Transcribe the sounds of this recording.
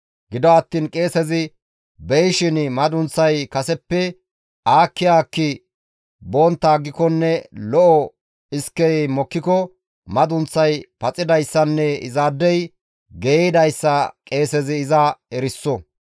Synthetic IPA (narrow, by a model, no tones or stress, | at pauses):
ɡɪd̪ɔɐt̪ːiːnkʼe̞ːsɛzɪ | bɛjʃɪnmɐd̪ʊnt͡sːɐjkɐsɛpːɛ | ʔaːkːɪjaːkːɪ | boːnt̪ːaːɡːɪkɔnːɛlɔʔɔ | ɪskːɛjmɔkːɪkɔ | mɐd̪ʊnt͡sːɐjpɐt͡sʼɪd̪ɐjsːɐnːɛɪ̰zaːd̪ːɛj | ɡeːɪd̪ɐjsːɐkʼe̞ːsɛzɪːzɐɛɾɪsːɔ